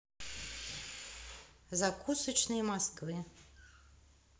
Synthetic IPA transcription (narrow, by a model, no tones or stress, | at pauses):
zakusɨt͡ʃnɨjmaskvɨ